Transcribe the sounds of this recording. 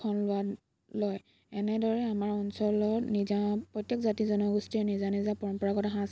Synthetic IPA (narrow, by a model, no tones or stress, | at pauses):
ɔnlʊwa | lɔj | ɛnɛdɔɹɛamaɹɔnsɔlɔnizapɹɔtjɔkzatizɔnɔɡustiɛnizanizãpɔɹɔmpɔɹaɡɔtaɦãs